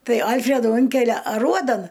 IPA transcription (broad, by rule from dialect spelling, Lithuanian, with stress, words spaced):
ˈtɐɪ ˈɐlʲfʲrʲɛduː ˈʊŋʲkʲɛlʲɛ ɐˈruɔdɐn